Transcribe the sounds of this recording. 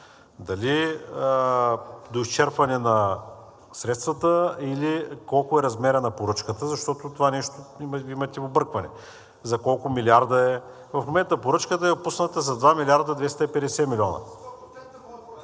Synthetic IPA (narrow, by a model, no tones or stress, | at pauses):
d̪ɐli | d̪oist͡ʃɛɾpɐnɛnɐ | sɾɛt̪st̪vɐt̪əilikɔlˠkʊɛɾɐzmɛɾɐnɐpoɾɤt͡ʃkət̪əzɐʃt̪ɔt̪ot̪ovanɛʃt̪oimɐt̪ʲɛobɤɾkvɐnɛ | zɐkɔlˠkʊmiliaɾd̪əɛ | vɐfmomɛnt̪əpoɾɤt͡ʃkət̪əɛopusnət̪əzɐd̪vamilʲiaɾd̪əd̪vɛst̪əipɛd̪ɛsɛmilʲɔnɐ̰